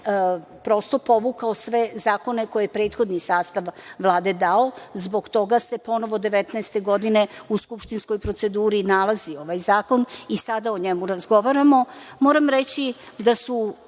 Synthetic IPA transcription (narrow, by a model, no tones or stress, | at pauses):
pɾo̞st̪o̞po̞ʋukaosʋe̞zaːko̞ne̞ko̞jeepɾe̞ːt̪xo̞d̪nisaːst̪aʋʋlˠaːd̪e̞d̪aozbo̞ɡt̪o̞ɡase̞po̞no̞ʋo̞d̪e̞ʋet̪nɛest̪e̞ɡo̞d̪ine̞uskupʃt̪insko̞jpɾo̞t̪se̞d̪uːɾinalˠazio̞ʋajzaːko̞nisad̪aoɲemuɾazɡo̞ʋaɾamo̞moːɾamɾet͡ɕi | d̪asu